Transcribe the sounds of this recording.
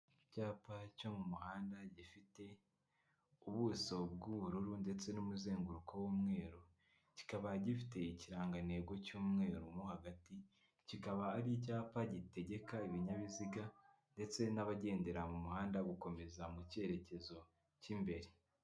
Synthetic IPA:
caːpaco̞mumuhaːndaɟifite̞ | uβuso̞b̚ɡuβuɾuɾunde̞t͡se̞numuzeːŋɡuɾukʰo̞wuːmŋe̞ːɾo | ci̥kaβaɟifi̥te̞iciɾaːŋɡane̞ɡo̞cuːmŋe̞ːɾumuhaɡati | cikaβaːɾic̬aːpaɟite̞ɟe̞kaiβiɲaβiziɡa | nde̞t͡se̞naβaɟe̞ːnde̞ɾamumuhaːndaɡuko̞me̞zamuce̞ɾe̞ce̞zo̞ | cimbe̞ɾe

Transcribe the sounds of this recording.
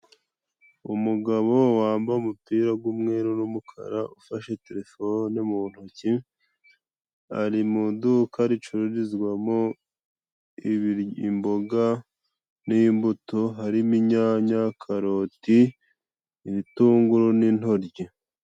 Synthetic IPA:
umuɡaβo̞waːmbaumupiːɾaɡwumŋe̞ɾunumukʰa̰ɾaʔufaʃe̞te̞ɾe̞fonemun̥huci | aɾimudukʰaɾit͡ʃuɾuɾizɡwamo | iβɾimbo̞ɡa | nimbutoɦaɾimiɲaɲakʰaɾo̞ti | iβituːŋɡuɾonin̥ho̞ɾɟe

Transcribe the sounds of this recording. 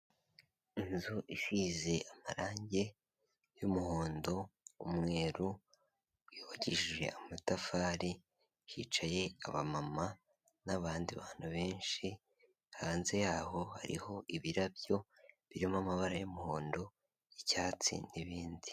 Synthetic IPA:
inzuʔiʃize̞ʔamaɾaːɲɟe̞ | jumuhoːndo̞umŋe̞ːɾu | juβaɟiʒwe̞̰amatafaːɾi | ʃḭt͡ʃaje̞aβamama | naβaːndiβaːn̥huβe̞ːnʃi | haːnze̞jaːho̞ha̰ɾḭho̞ʔiβiɾabjo̞ | βiɾimamaβaɾajumuho̞ːndo̞ | icaːt͡sḭnndiβiːndi

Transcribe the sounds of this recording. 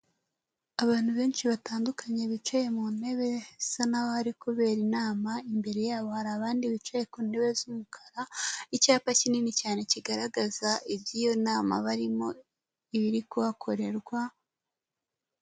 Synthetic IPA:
aβaːn̥huβe̞ːnʃiβataːndukʰaɲeβit͡ʃejemune̞βe̞sanahohaɾikuβe̞ːɾinaːmaimbe̞ɾe̞jaːβo̞haɾaːβaːndiβit͡ʃejekuːne̞βe̞zumukʰaɾaicaːpacininicaːne̞ciɡaɾaɡazaibjijo̞naːma̰βaɾimo̞ | iβiɾikuβakʰo̞ɾe̞ɾɡwa

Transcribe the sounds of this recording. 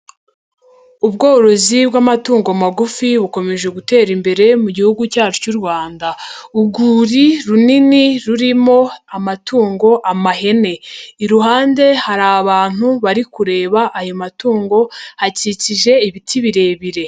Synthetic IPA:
uβɡo̞ːɾo̞zibɡamatuːŋɡomaɡufiβuko̞me̞ʒe̞ɡute̞ːɾimbe̞ɾe̞muɟihuɡucaːt͡ʃocuɾwaːndauɡuːɾiɾuniniɾuɾimo̞amatʰuːŋɡo̞ʔamaɦe̞ne̞iɾuɦaːnde̞haɾaβaːn̥huβaɾikuɾe̞ːβaʔajo̞matuːŋɡo̞haciciʒe̞iβitʰiβiɾe̞βiɾe̞

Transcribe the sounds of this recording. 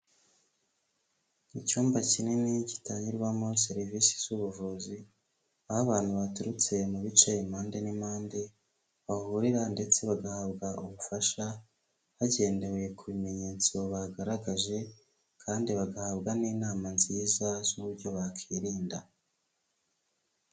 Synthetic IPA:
icuːmbacininici̥taːɲiɾwamo̞seɾivisi̥z̥uβuvuzi | ahaβaːnhuβatuɾut͡se̞muβit͡ʃejimaːnde̞nimaːnde̞ | βahuɾiɾande̞t͡se̞βaɡahaβɡaʔuβufaʃa | haɟe̞ːnde̞wekʰuβime̞ɲe̞ːt͡sioβaɡaɾaɡaʒe̞ | kʰaːndiβaɡahaβɡaniːnaːmanziːzazuβuɾɟo̞βakʰiɾiːnda

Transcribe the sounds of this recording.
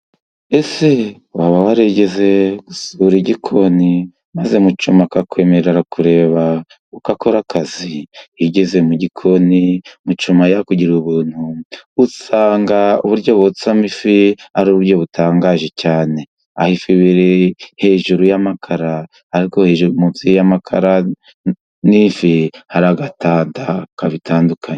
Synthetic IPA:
e̞se | waβawaɾeɟe̞ze̞ɡ̥usuɾiɟikʰo̞ni | maze̞mut͡ʃumakakwe̞me̞ɾɾeɾakuɾe̞ːβa | ukakoɾakʰaziiɟe̞ze̞muɟikʰo̞nimut͡ʃumajakuɟiɾuβuːn̥huusaːŋɡaṵβuɾɟo̞βot͡samifiaɾuβuɾjo̞βutaːŋɡaʒe̞caːne̞ | ahifiβiɾehe̞ʒuɾujamakʰaɾaː | ɾiko̞heʒuɾumuzijjamakʰa̰ɾa | niɱfihaɾaɡatandakaβitʰaːndukʰaɲe

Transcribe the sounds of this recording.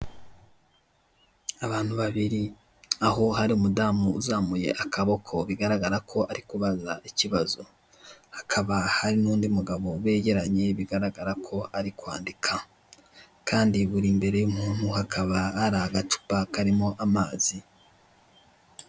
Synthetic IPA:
aβaːn̥huβaβiɾi | aɦo̞ɦaɾiumudaːmuṵzaːmuje̞̰ʔakʰaβokʰo̞βiɡaɾaɡaɾakʰo̞ʔaɾikuβaza̰ʔiciβazo̞ | hḁkʰaβahaɾinuːndiumuɡaβo̞we̞ːɟe̞ɾaɲe̞βiɡaɾaɡaɾakʰo̞aɾikwa̰ːndikʰa | kaːndiβuɾimbe̞ɾe̞jum̥huːn̥huhakʰaβaːɾahaɡatu̥pakaɾimo̞ʔamaːzi

